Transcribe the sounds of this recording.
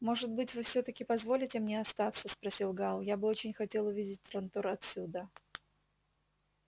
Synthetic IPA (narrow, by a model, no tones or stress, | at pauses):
mo̞ʐɨt̪̚bɨtʲvɨfsʲot̪əkʲɪpɐzvo̞lʲɪtʲɪmnʲeɐst̪at̪səspɾɐsʲilˠɡalˠjabɨo̞t͡ɕɪnʲxɐtʲe̞lˠʊvʲidʲɪt̚ʲt̪ɾɐnt̪o̞rɐt̪sʲud̪ə